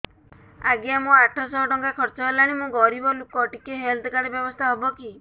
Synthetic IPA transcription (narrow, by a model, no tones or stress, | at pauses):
aɡjamũaʈʰɔsɔːʈɔŋkakʰɔɾt͡ʃɔɦelaɽ̃imũɡɔɾibɔlukɔʈikeɦeld̪kaɽɔbjɔbɔst̪ʰaɦɔbɔki